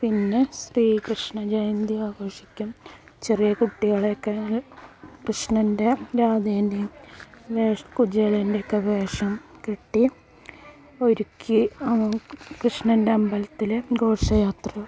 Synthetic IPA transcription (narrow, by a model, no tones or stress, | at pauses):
pinːesriːkrɨʂɳɐd͡ʑɐjnd̪iaːkoːʂikʲːumt͡ɕerijɐkuʈːiɣɐɭeokːe | krɨʂɳɐnde̞ɾaːd̪endiʋeːʂɐkud͡ʑelɐndeokːeʋeːʂɐmkeʈːi | o̞ɾukʲʰːi | krɨʂɳɐnde̞ɐmbɐlɐt̪ːilɡo̞ːʂɐjaːt̪rɐ